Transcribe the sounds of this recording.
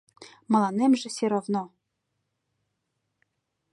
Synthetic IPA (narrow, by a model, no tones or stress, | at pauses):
mɤ̆lˠɑnemʒĕsʲeɾovno